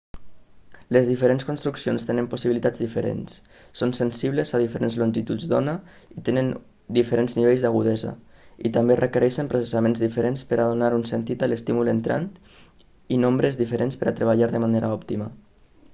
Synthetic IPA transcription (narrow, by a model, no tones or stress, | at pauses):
lezðifeɾenskunst̪ɾuksionst̪enəmposiβilit̪ad͡zðifeɾḛnsː | onsensiβlezað̞ifeɾenzlonʲʒit̪ud͡zd̪ɔnə | it̪enən | d̪ifeɾenzniβejzðaɣuðɛzə̰ḭt̪amberəkəɾɛʃempɾosesamenzðifeɾenspəɾaðunaɾunsent̪it̪əlest̪imulent̪ɾʔa̰nt̪ | inombɾezðifeɾenspəɾat̪ɾeβ̞aʎaɾðəmaneɾaɔpt̪ima